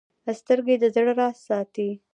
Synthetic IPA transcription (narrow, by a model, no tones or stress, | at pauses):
əst̪əɾɡed̪əzɽəɾɑsɑt̪i